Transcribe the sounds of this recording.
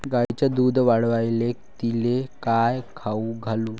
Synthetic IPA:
ɡait͡ɕad̪uːd̪ʱʋaɽʋajle | t̪ilekajkʰauɡʱaluː

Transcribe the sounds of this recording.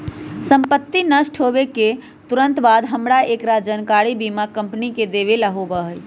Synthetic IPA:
səmpət̪ːinəsʈʰɦobeke | t̪uɾənt̪bad̪ɦəmɾaʔekɾad͡ʒənkaɽibimakəmpniked̪eβelaɦobəɦəj

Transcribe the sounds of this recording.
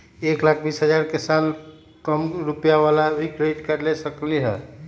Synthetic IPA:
eklakʰbisɦəd͡ʒaɾkesal | kəmɾupjaʋalabʱikɾeɖkəɾlesəkliɦɛ

